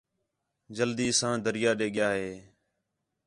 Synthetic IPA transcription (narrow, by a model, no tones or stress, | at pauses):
d͡ʒəld̪iːsãːd̪əɾɪjaːɗeːɠɪjaːɦeː